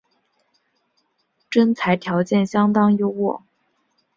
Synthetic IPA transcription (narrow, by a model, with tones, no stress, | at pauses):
ʈ͡ʂə˥nt͡sʰa˧˥ɪt̪ʰjɑ˧˥ʊt͡ɕjɛ˥˩nɕjɑ˥ŋt̪ɑ˥ŋjo˧˥ʊwɔ̰˨˩˦